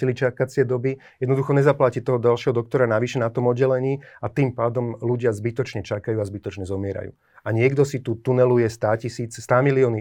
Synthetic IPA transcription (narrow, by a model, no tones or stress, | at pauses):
ilit͡ʃakat͡sɪɛd̪ɔbi | jɛd̪nɔd̪uxɔɲɛzaplacit̪ɔɦɔdalʃɪɛɦɔd̪ɔk̚t̪ɔɾanaʋiʃɛnat̪ɔmɔd̪̚ɟːɛlɛɲiːat̪iːmpaːd̪ɔmluɟɪazbit̪ɔt͡ʃɲɛt͡ʃakajuːazbit̪ɔt͡ʃɲɛzɔmɪɛɾa̰jṵː | aɲɪɛɡd̪ɔsit̪uːt̪unɛlujɛst̪aːcisiːt͡sst̪aːmiliɔːni